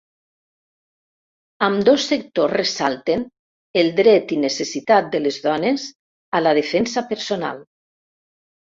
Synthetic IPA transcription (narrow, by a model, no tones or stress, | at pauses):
əmd̪osːek̚t̪osresalˠt̪en | elˠd̪ɾɛt̪inəsesit̪at̪̚d̪əlezðɔnez | alað̞efɛnsapəɾsona̰lˠ